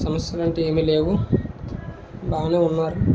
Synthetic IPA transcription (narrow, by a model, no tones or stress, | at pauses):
sɐmɐsjɐlɐɳʈeeːmile̞ːʋu | baːneːunːaːɾu